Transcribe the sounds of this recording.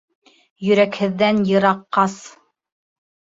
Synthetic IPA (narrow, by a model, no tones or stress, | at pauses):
jɵ̆ɾækhɘ̆ðːænjɤ̆ɾɑqːɑs